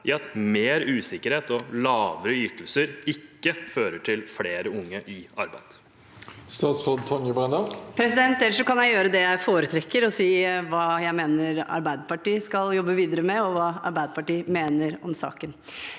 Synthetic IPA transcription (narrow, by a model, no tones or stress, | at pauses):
ʔɪɑt̪meːɾʉːsɪkːəɾheːt̪ɔlɑːʋəɾəʏt̪ʰl̩səɾɪkːəføːɾəʈʰɪlfleːɾəʊŋːəʔɪɑ̰ɾbæ̰ɪd̪̥ | st̪ɑːt̪sʁoːd̪t̪ʰɔnjəbʁɛnd̪ɑpʰɾɛsɪd̪ɛnt̪ɛlːəʂɔkɑnjæɪjøːɾəd̪ɛjæɪfoːɾət̪ʰɾɛkːəɾɔsiːʋɑːjæɪmeːnəɾɑ̰ɾbæɪd̪əpɑʈiːskɑljɔbːəʋiːd̪əɾəmɛɔʋɑːɑ̰ɾbæɪd̪əpɑʈiːmeːnəɾɔ̰msɑ̰ːkən